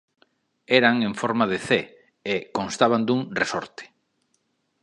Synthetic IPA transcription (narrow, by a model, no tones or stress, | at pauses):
eɾaŋeɱfɔɾmaðeθe | ekõnst̪aβand̪uŋresɔ̰ɾt̪e̥